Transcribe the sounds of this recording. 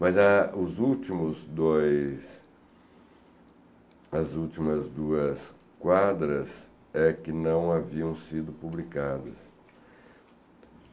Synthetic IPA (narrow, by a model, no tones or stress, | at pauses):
mɐzɐʊzuwt͡ʃimʊzd̪ojs | ɐzuwt͡ʃimɐzd̪uɐs | kwad̪ɾɐs | ɛkɪnɐ̃w̃aviɐ̃w̃sid̪ʊpublikad̪ɐ̰s